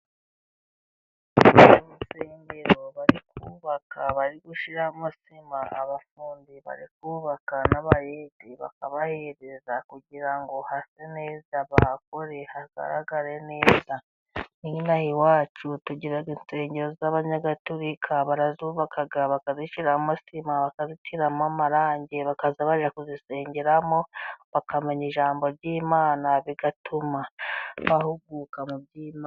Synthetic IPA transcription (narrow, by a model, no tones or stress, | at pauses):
βomuseːmbeɾo̞βaɾikuːβakaβaɾiɡuʃiɾamusimaʔa̰βafuːndiβa̰ɾik̚uːβakanaβajediβa̰kaβahe̞ɾezakuɟiɾaŋɡo̞hase̞ne̞ːzaβako̞ɾe̞haɡa̰ɾa̰ɡaɾe̞ne̞ːza | ninahiwaːt͡ʃutuɟiɾaɡinse̞ːɲɟeɾozaβaɲaɡatuɾikʰaβaɾazuβakʰaɡaβakaziʃiɾamasimaβakazitʰiɾamamaɾaːɲɟeβakazaβaʒakuzise̞ːɲɟe̞ɾamo̞βakameɲiʒaːmbo̞ɾɟiːmaːnaβiɡatʰumaβahuɡuːkamub̚ɟiːma